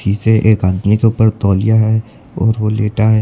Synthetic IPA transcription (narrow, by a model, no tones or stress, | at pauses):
iseʔeːkaːd̪mikeʊːpəɾt̪ɔːlijaɦɛ | ɔːɾʋoleːʈaɦɛː